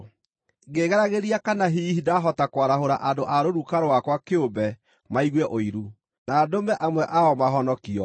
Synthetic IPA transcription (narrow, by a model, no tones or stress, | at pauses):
ɡeɣɛɾaɣeɾiakanaɦihidaɦɔtakwaɾaɦoɾaʔandoʔaɾoɾukaɾoakwakeobɛ | maiɣwɛʔoiɾu | naːdomɛʔamwɛʔaɔmaɦɔnɔkiɔ